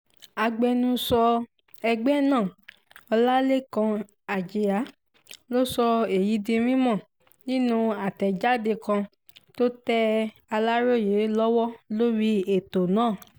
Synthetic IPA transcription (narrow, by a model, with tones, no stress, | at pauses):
a˧ɡ͡bɛ˧nũ˧sɔ˧ | ɛ˧ɡ͡bɛ˦˨nãː˦˨ | ɔ˧la˦le˦kã˧ | a˨d͡ʒe˨a˨˦ | lo˦sɔ˧e˨ji˨˦di˧ɾ̃ĩ˦mã˦˨ | nĩ˦nũ˧a˨tɛ˨d͡ʒa˦de˧kã˧ | to˦tɛ˦ | a˧la˦ɾo˦˨je˨˦lɔ˦wɔ˦lo˦ɾi˧˦e˨to˨nãː˦˨